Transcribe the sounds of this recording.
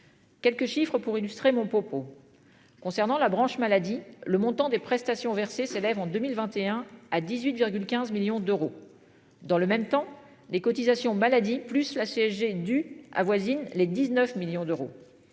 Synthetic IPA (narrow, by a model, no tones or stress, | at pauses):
kʲɛlkəʃifχəpuʁilyst̪χemɔ̃pχɔpo | kɔ̃sɛʁnɑ̃labʁɑ̃ʃmalad̪iləmɔ̃t̪ɑ̃d̪epχɛst̪asjɔ̃vɛʁseselɛvɑ̃d̪ømilvɛ̃t̪eɛ̃ad̪izɥit̪viʁɡʲylkʲɛ̃zmiljɔ̃d̪øʁo | d̪ɑ̃ləmɛmt̪ɑ̃ | lekɔt̪izasjɔ̃malad̪iplyslaseɛʒed̪ya̰vwazinled̪iznœfmiljɔ̃d̪øʁo